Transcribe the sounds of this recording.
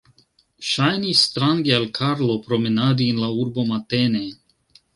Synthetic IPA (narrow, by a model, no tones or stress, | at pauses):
ʃajnisːt̪ɾaŋɡealkʰaɾlo̞pɾo̞menad̪inlauɾbo̞mat̪ene